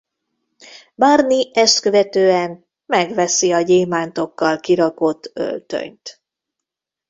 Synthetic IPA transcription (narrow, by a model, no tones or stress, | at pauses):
baːrniɛst̪køvɛt̪øːɛn | mɛɡʋɛsiɒɟeːmaːnt̪o̞kːɒlkiɾɒko̞t̪ːø̰lt̪ø̰ɲt̪